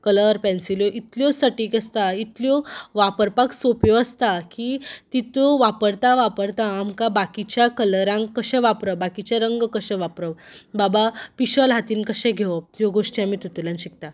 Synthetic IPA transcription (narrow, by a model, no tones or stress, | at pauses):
kələɾpɛ̃nsiljɔʔit̪ljɔsəʈiːkəst̪ait̪ljɔʋapəɾpaksopjɔəst̪akit̪it̪ɔʋapəɾt̪aʋapəɾt̪aːmkabakit͡ɕjakələɾãŋkːəɕɛ̃ʋapɾəbakit͡ɕjaɾəŋɡkəɕɛ̃ʋapɾəʋbabapiɕəlɦat̪iːnkəɕɛ̃ɡʱeʋəjoɡoʂʈiamiːt̪ut̪ulãnɕik̚t̪a